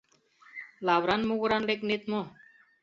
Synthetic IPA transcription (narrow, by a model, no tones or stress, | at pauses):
laːwɾanmuɡɾaːnlekneːt̪̚mo